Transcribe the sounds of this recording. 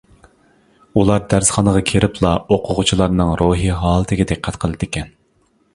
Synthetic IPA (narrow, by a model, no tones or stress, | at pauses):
ulˠɑɾd̪æɾsχɑnəʁɑkʲʰeɾɪpʰlˠɑoqʰʊʁʊt͡ʃʰilˠɑɾnɨŋɾoɦiɦɑːlˠɨt̪ʰɪɡʲɪd̪eqʰːɛt̪qʰəlˠɨd̪ɪkʲʰɛn